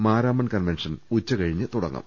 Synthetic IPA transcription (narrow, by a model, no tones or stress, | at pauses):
maːɾaːmɐnkɐnʋenʂɐnut͡ɕːɐkɐɻiɲːɨt̪uɽɐ̰ŋːɐ̰m